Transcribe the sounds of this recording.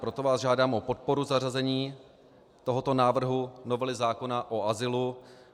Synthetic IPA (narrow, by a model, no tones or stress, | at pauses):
pɾo̞t̪o̞vaːzʒaːdaːmʔo̞po̞t̪̚po̞ɾuzarazɛɲiː | t̪o̞ɦot̪o̞naːvr̩ɦuno̞vɛlɪzaːko̞naʔoʔazɪlu